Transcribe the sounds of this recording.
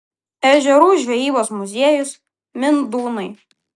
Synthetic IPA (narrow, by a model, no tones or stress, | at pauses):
ɛʒʲɛɾuːʒʲʋʲɛjiːboːsmʊzʲiɛjʊs | mʲɪnd̪uːnɐɪ